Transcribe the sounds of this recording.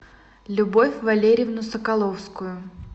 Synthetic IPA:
lʲʊbofʲvɐlʲeɾʲɪɪvnʊsəkɐlˠofskʊjʊ

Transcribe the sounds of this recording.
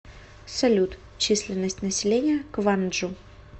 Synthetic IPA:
sɐlʲut̪ | t͡ɕisʲlʲɪnːəsʲtʲnəsʲɪlʲenʲɪjəkvanʐʊ

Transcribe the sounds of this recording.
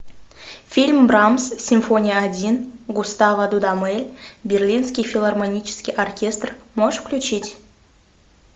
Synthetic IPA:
fʲilʲmbrɑmssʲimfonʲijəadʲinɡust̪ɑvəd̪ud̪ɑmelʲbʲerlʲinskʲijfʲilˠarmonʲit͡ɕɪ̥skʲijʔorkʲest̪rmoʂfklʲut͡ɕitʲ

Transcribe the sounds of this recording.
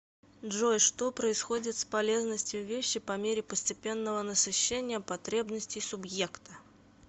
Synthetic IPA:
dʐojʂt̪o̞pɾəɪsxo̞dʲɪt̪spɐlʲe̞znəsʲtʲɪjʊvʲeɕːɪpɐmʲeɾʲɪpəsʲtʲɪpʲe̞nːəvənəsɨɕːenʲɪjəpɐt̪ɾʲe̞bnəsʲtʲɪjsʊbje̞kt̪ə̥

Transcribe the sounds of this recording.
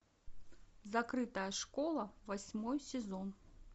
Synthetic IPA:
zakɾɨt̪ɐjɐʂkɔlˠɐvasʲmɔjsʲɛzɔn

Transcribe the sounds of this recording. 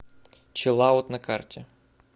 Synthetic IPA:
t͡ʃɪlˠɑɔt̪nɐkɑrtʲi

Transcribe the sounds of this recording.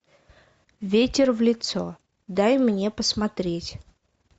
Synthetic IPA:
vʲetʲɪrvlʲɪt̪so | d̪ajmnʲe̞pəsmɐt̪ɾʲetʲ

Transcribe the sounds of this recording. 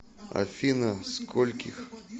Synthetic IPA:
a̰fʲinɐskʰɔlʲkʲix

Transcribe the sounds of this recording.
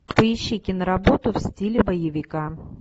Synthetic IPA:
pəɪɕːikʲɪnəɾɐbot̪ʊfsʲtʲilʲɪbɐjɪvʲɪka

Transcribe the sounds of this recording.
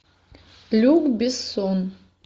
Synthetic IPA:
lʲuɡbisun

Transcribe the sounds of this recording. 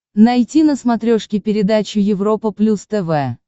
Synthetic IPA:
nɐjtʲinəsmɐt̪ɾʲoʂkʲɪpʲɪɾʲɪd̪at͡ɕʊjɪvɾopəplʲust̪ɛvɛ

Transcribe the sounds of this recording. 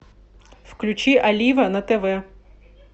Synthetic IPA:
wklʲʉt͡ʃiʔɐlʲiʋɐnɐt̪eʋɛ

